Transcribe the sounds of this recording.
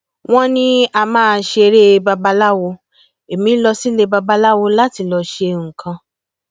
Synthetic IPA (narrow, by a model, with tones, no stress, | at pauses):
w̃ɔ̃˦nĩ˦a˧mãː˦˧ʃe˧ɾe˦˧ba˧ba˧la˦wo˧ | e˨mĩ˨˦lɔ˧si˦le˧ba˧ba˧la˦wo˧la˦ti˧lɔ˧ʃe˧ŋ̩˨kʰã˧